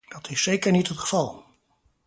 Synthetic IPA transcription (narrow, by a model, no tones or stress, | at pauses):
d̥ɑtʰɪsːejkəɹnitɦətχə̥vɑlˠ